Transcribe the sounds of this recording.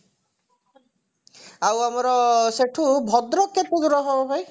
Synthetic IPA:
awamɔɾɔseʈʰubʱɔd̪ɾɔkːet̪ud̪uɾɔɦɔbɔbʱɔj

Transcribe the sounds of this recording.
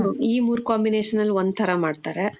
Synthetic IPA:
iːmuːɾukaːmbineːʂɐnːɐlːond̪̚t̪ʰɐɾamaːɖ̚t̪aːɾe

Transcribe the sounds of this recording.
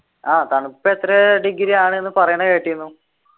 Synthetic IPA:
aːt̪ɐɳupːet̪ːɾɐɖiɡiɾijaːɳɨenːɨpɐrɐjɐɳɐke̞ːʈːijunːu

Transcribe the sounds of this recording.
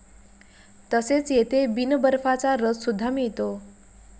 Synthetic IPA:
t̪əset͡set̪ebinəbəɾfʰat͡saɾːəssud̪ʱːamit̪o

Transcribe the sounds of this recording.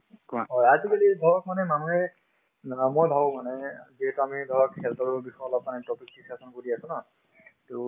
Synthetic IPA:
kɦɔjazikalidʱɔɹɔk̚manɛmanuɦɛ | mojbʱawɔmanɛziɦɛtuamidʱɔɹɔkkʰɛltɔɹɔbixɔjɔlɔp̚manɛtɔpiksisasɔnkoɹiasʊ̃na | tʊ

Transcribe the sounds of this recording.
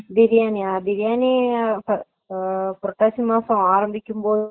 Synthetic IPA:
d̪ɪɾɪjaːniad̪ɪɾɪjaːnipɐ | pɾɐt̪ːaːsimaːsɐ̃aːɾɐmbɪkʲːɯmpoː

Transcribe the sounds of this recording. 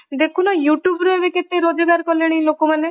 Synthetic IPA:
d̪ekʰunɔjuʈjubɾoebeket̪eɾod͡ʒɔɡaɾkɔleɽ̃ejlokomane

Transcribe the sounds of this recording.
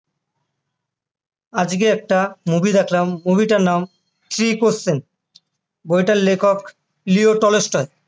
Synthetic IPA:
ad͡ʑkeɛk̚ʈamubid̪ɛkʰlamːubiʈaɾnam | t̪ɾikossen | bojʈalːekʰok | lioʈɔlesʈɔe

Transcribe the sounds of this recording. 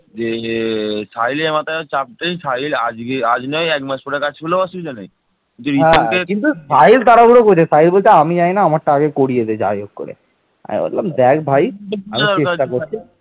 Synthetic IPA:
d͡ʑe | sajlemat̪at͡ɕap̚ʈ̪ejsajlad͡ʑɡead͡ʑnɔjɛkmaʃpɔɽekat͡ɕʰfeloasiɾd͡ʑonej | kint̪uɾiɦɛ̃kekint̪usajlt̪aɾabuɽokoɾt͡ɕʰesajlbolt͡ɕʰeamid͡ʑajnaamakʈaaɡekoɽiet͡ɕʰed͡ʑa̰d͡ʑoɡkːo̰ɾḛ | a̰mḭbo̰lːamd̪ɛkbʱajamiɾt͡ɕeʃʈaoɾt͡ɕʰi

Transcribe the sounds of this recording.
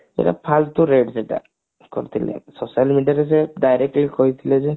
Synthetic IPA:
ḛʈa̰pʰalt̪uɾeɖseʈa̰ | kɔɾt̪ʰilḛsosalmiɖiaɾeseɖajɾek̚ʈlikoɦjt̪ʰileze

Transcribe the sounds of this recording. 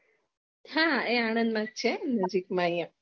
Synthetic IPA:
hãeaɽ̃ənd̪mãt͡ʃʰenəd͡ʒikmãjə̃

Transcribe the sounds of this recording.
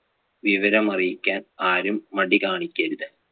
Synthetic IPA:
ʋiʋɐɾɐmɐrijikʲːaːnaːɾumːɐɽikaːɳikʲːɐɾuðɨ

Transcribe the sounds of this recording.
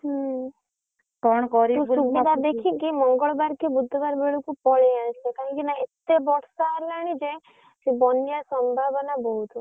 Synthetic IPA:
ɦ | kɔɳkɔɾiũubid̪ad̪ekʰikimɔŋɡəɭbaɾkebʊd̪ʱːbaɾbeɭukũpɔɭeasʰekaɦə̃ŋkinaet̪ːebɔʈʰsaɾlaɽ̃id͡ʒẽ | kibɔnːjasɔmbʱabnabɔɦut̪u

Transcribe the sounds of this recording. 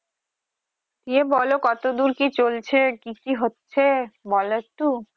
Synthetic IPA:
t̪iebɔlokɔt̪od̪uɾkit͡ɕolt͡ɕʰekikiɦotːɕʰebɔlet̪u

